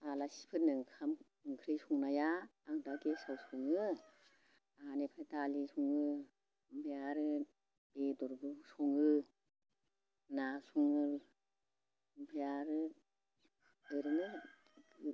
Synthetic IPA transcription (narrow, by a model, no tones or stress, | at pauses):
alasi̥pʰɯnɯŋkʰam | ɯŋkʰɾɯjsuŋnajaaŋdaɡesawsuŋɯ | anepʰɾajtalisuŋɯ | mbʰajaɾɯ | bedɔɾbɯsɔŋɯ | nasuŋɯ | mbʰajaɾɯ | ɯɾɯnɯ | ɡɯ